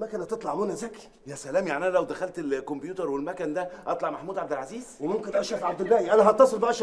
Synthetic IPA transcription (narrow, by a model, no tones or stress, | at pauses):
mækænhæt̪et̪ˤlɑʕmunæzæki̥ | jæsælæːmjaʕʔiʔænælæwd̪æxælt̪elkombjuːt̪ɑɾˤwelmækænd̪æʔɑt̪ˤlɑʕmæħmuːd̪ʕab̚d̪elʕaziːz̥wemomkenʔæʃæfʕab̚d̪elbæːʕiʔænæɦɑt̪ːɑsˤelbæʔæʃ